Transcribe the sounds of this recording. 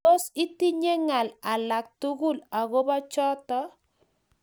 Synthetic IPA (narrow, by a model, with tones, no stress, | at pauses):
o˦si˦ti˦ɲe˦ŋa˨la˨la˨k̚tu˦ɣu˦˨la˨ɣo˦ba˦t͡ʃɔ˦tɔ˦